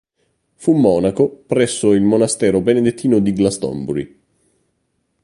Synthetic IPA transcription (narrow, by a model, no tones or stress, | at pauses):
fumːɔːnakopɾɛsːoilmonast̪ɛːɾobened̪et̪ʰːiːnod̪iɡlast̪ɔ̰mbuɾḭ